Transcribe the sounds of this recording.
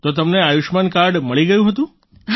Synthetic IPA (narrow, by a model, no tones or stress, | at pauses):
t̪ot̪əmneajuʃmankaɾɖməɭiɡəjũɦət̪ũ